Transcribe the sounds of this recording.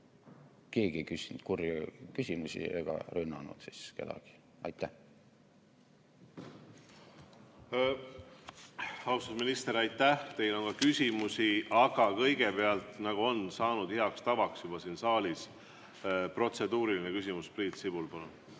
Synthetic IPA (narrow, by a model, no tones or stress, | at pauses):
ke̞ːɡ̥iekysind̪̥kurjɑkysʲimusʲḭeɡ̥ɑ̰rynːɑnṵd̪̥siske̞d̪̥ɑ̰ɡ̥i̥ | ɑ̰jt̪ːˑæh | hɑwst̪usminist̪eɾɑjt̪ːˑæht̪e̞jlo̞nɡɑkysʲimusiɑɡ̥ɑkɤjɡ̥ebe̞ɑlt̪nɑɡ̥uo̞nsɑːnud̪̥hiɑkst̪ɑvɑksjub̥ɑsiːnsɑːlʲis | pro̞t̪se̞d̪uːɾilinekysʲimuspriːt̪sibulpɑlun